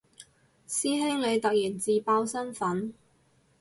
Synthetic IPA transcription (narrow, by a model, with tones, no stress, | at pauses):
siː˥ɦɪ˥ŋle˨˧jt̪ɐ˨k̚jiː˨˩nt͡siː˨paː˧˥wsɐ˥nfɐ˨˥n